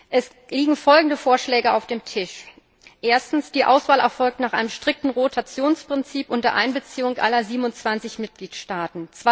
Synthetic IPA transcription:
ʔɛs | liːɡŋ̩fɔlɡŋ̩dəfoːɐʃlɛːɡəaʊfd̥eːmtʰɪʃ | ʔeːɐstn̩sd̥iːʔa̰ʊsv̥aːlɛ̰ɐfɔlk̚tnaːχʔa̰ɪnəmʃtʁ̥ɪk̚tn̩ʁotʰat͡sjoːnspʁ̥ɪnt͡siːpʔʊntdɐʔaɪnbət͡siːʊŋʔa̰lɐziːbmnʊnt͡sv̥ant͡sɪçmɪt̚ɡ̥liːtʃtaːtn̩t͡s

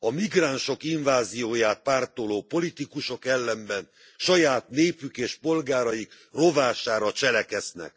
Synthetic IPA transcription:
ɒmiɡraːnʃo̞kiɱvaːzijoːjaːt̪̚paːrt̪oloːpo̞lit̪ikuʃo̞kɛlːɛmbɛn | ʃɒjaːt̪neːpykeːʃpo̞lɡaːɾɒjik | ro̞vaːʃaːɾɒt͡ʃɛlɛkɛznɛ̰k

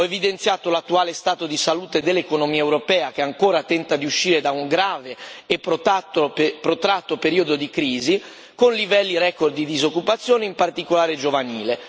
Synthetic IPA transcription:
ɔevid̪ent̪sjaːt̪olat̪ːuaːlest̪aːt̪od̪isaluːt̪ed̪elːekonomiːaewɾopɛːak̟eaŋkoːɾat̪ɛnt̪ad̪iuʃːiːɾed̪auŋɡɾaːveːpːɾot̪at̪ːopɾot̪ɾat̪ːopeɾiːod̪od̪ikɾiːzi | konlivɛlːiɾɛkord̪id̪izokːupat̪sːjoːneimpart̪ikolaːɾed͡ʒovaniːle

